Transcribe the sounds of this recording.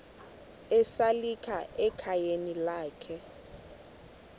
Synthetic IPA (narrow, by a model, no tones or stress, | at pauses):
ɛsalikʰaɛkʰajenilaːkʰɛ